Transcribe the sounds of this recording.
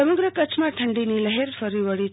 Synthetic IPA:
əməɡɾəkət͡ʃʰmãʈʰəɳɖinileɦeɾfəɾiʋəɭi

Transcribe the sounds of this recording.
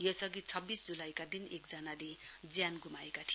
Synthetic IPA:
jʌsʌɡit͡sʰʌbːisd͡zulajkad̪inek̚d͡zʌnaled͡zjanɡumaekat̪ʰi

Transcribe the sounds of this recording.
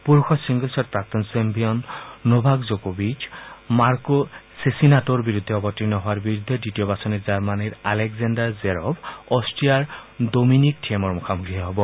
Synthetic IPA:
puɹxʰɔsiŋɡɔlsɔtpɹak̚t̪ɔnsembiɔnːobʱakzokobid͡ʒmaɹkosesinatɔɹbiɹud̪ʱːɛɔbɔtːinɔɦɔwaɹbiɹud̪ʱːɛditiɔbasɔnizaɹmaniɹalɛkzandaɹzeɹɔbɔstijaɹdominik̚tʰiemɔɹmukʰamuɡʰiaɦɔbɔ

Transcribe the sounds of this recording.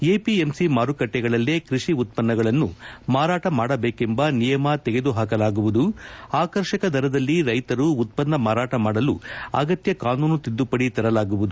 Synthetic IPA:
eːpiemsimaːɾukɐʈːɛɡɐɭɐlːekɾiʂiut̪̚pɐnːɐɡɐɭɐnːumaːɾaːʈɐmaːɽɐbeːkembɐnijɐmɐt̪ɛɡed̪uɦaːk̬ɐlaːɡuʋud̪uaːkɐɾʃɐkɐd̪ʱɐɾɐd̪ɐlːiɾɐjt̪ɐɾuːt̪̚pɐnːɐmaːɾaːʈɐmaːɽɐluɐ̰ɡɐt̪jɐkaːnuːnut̪id̪ːupɐɽit̪ɐɾɐlaːɡuʋud̪u

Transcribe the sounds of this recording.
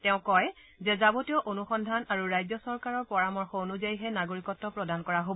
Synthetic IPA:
tɛʊ̃kɔj | zɛzabotiɔʔonuxɔndʱanaɹuɹajzɔsɔɹkaɹɔɹpɔɹamɔɹxɔonuzajiɦɛnaɡoɹikɔtːɔpɹɔdankɔɹaɦob

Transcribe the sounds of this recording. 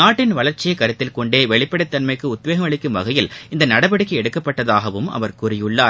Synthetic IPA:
naːʈːɪnʋɐɭɐɾt͡ʃːɪjɐɪkːɐɾɯt̪ːɪlkɔɳɖeːʋɛɭɪpːɐɽɐɪt̪ːɐnmɐɪkːɯʊt̪̚ʋeːɣɐmɐɭɪkːɯmʋɐɣɐjɪlɪnd̪ɐnɐɽɐbɐɽɯkːɯɛɽɯkːɐpːɐʈːɐðaːɣɐʋɯmɐ̰ʋɐɾkʊrɪjɯɭːaːɾ

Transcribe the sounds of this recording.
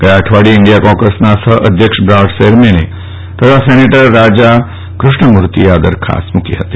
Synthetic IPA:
kəjãəʈʰʋaɽiɪɳɖijakɔ̃kəsnasəʔəd̪ʱjəkʃbɾaʋʈseɾmene | t̪ət̪ʰaseneʈəɾːad͡ʒa | kɾʊʂɳəmuɾt̪ijaːd̪əɾkʰa̰smʊkiɦət̪i̥

